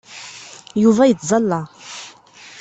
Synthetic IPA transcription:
juvæjət͡sːzˤɑlːɑ

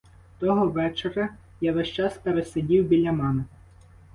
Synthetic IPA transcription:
t̪ɔɦɔʋɛt͡ʃeɾʲɐ | jaʋɛʃt͡ʃɑspeɾesɐdʲiwbʲilʲɐmɛnɛ

